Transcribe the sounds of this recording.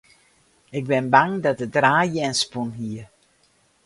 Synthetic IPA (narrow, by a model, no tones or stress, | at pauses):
ɪɡ̚bɪnbaŋdɔt̚ədraːjəɛnspunɦiə